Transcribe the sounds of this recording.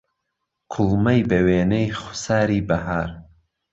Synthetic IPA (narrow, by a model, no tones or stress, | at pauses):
kʰʊlˠmɐjbɐweːnejχʊ̥saːɾiːbɐɦaːɾ